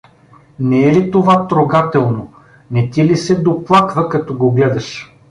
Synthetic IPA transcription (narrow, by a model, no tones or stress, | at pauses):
nɛɛlit̪ovat̪ɾoɡat̪ɛlˠno | nɛt̪ilisɛd̪oplˠakvəkɐt̪ɔɡoɡlɛd̪ɐʃ